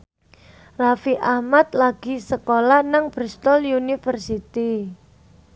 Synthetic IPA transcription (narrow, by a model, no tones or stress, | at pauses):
rafiʔahmat̪̚laɡ̥i̤səkolahnaŋb̥ɾist̪ɔljunifərsit̪i